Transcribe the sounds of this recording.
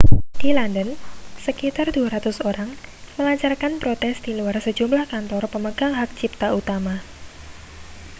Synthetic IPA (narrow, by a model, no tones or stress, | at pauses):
d̥ilandənsəkit̪arduaɾat̪ʊsoɾaŋməlaɲt͡ʃarkanpɾot̪ɛsd̥iluarsəd͡ʒumlahkant̪ɔrpəməɡaŋɦak̚t͡ʃip̚t̪aut̪ama